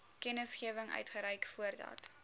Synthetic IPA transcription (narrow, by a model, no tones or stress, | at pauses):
kɛnəsχiəvəŋœ̰ɥtχəɾəjkfuərdɐ̰t